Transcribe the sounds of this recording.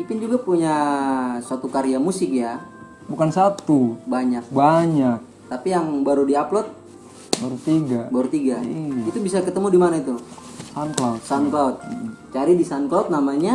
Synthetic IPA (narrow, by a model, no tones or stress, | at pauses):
pipɪnd͡ʒuɡapuɲasuat̪ukaɾiamusɪk̚ja | bukansat̪ubaɲak̚baɲak̚ | t̪apijaŋbaɾudiaplɔt̪̚ | baɾut̪iɡabaɾut̪iɡaiit̪ubisakət̪əmudimanait̪u | sanklawt̪̚sanklawt̪̚t͡ʃaɾidisanklawt̪̚namaɲa